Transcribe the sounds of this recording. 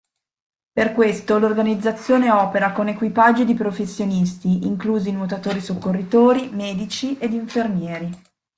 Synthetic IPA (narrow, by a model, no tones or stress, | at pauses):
perkwest̪olorɡanid̪zːat̪sːjoːneɔːpeɾakonekwipad͡ʒːod̪ipɾofesːjonist̪iiŋkluːzinot̪at̪oːɾisokːorːit̪oːɾimɛːd̪it͡ʃiʔed̪iɱfermjɛːɾi